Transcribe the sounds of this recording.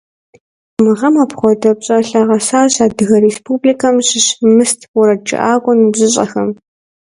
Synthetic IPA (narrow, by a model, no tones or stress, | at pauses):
mɨʁɐmaːpχʷɔdɐpɕʼɐɬɐʁɐsaːɕaːdɨɣɐrespʰuːblikʰɐmɕɪɕmɨstʰwʊɾɐd͡ʒɪ̰ʔaːɡʷʼɔnʑɪɕʼɐ̰xɐm